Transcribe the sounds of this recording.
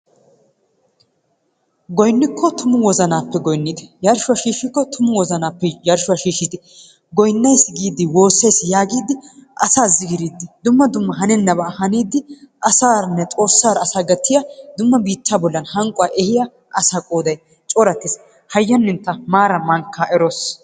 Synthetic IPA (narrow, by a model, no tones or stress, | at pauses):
ɡɔjnːɪkːɔt̪ʰʊmʊwɔzɐnaːpːɛɡɔjnːɪt̪jɐɾʃʊaʃiːʃːɪkːɔt̪ʰʊmʊwɔzɐnaːpːɛjɐɾʃʊaʃiːʃɪt̪ɪ | ɡɔjnːɐjsɡiːd̪ɪwo̞ːsːɐjsjaːɡiːd̪ɪʔɐsaːzɪɡɪɾiːd̪ːɪd̪ʊmːɐd̪ʊmːɐɦɐnɛnːɐbɐhɐniːd̪ːɪʔɐsaːɾɐnːɛtʼo̞ːsːaːɾɐɐsaːɡɐt̪ʰːɪjad̪ʊmːɐbiːt̪ːaːbɔlːɐnhɐŋkʼʊaːʔɛhɪja | ʔɐsakʼoːd̪ɐj | t͡ʃʼɔɾɐt̪ːɪs | hɐjːɐnːɪnt̪ːɐmaːɾɐmɐŋkʰːaʔɛɾos